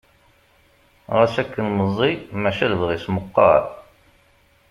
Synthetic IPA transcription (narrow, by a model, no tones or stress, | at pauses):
ʁæsækːənməzˤːimæʃælvʁisməqːɑ̰ɾˤ